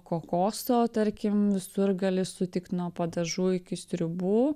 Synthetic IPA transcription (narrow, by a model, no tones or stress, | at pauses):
koːkoːst̪oːt̪ɐɾʲkʲɪmʋʲɪsʊɾɡɐlʲɪsʊt̪ʲɪkt̪nuɔpɐd̪ɐʒuːɪkʲɪsʲt̪ʲɾʲʊbuː